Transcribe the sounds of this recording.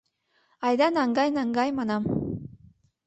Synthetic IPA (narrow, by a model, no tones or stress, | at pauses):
ɑjd̪ɑnɑŋɡɑjnɑŋɡɑjmɑnɑm